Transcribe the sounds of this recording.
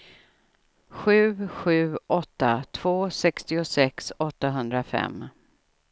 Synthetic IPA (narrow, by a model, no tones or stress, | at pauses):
ɧʉ̟ːɧʉ̟ːʔɔt̪ːat̪ʰv̥oːsɛkst̪ɪʊsɛksɔt̪ːaɦɵnd̪ɾafɛ̰mː